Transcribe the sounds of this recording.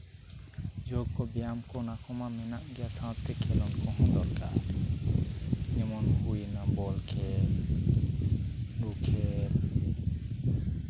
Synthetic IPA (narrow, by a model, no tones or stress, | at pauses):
d͡ʒoɡkɔbijamkɔnakʰɔmamɛnaʔɡijasãt̪ːekʰɛlɔ̃nkɔ̃ɦɔ̃d̪ɔɾka̰ɾ | nemɔnhujnabɔlkʰel | ɖukʰeɾ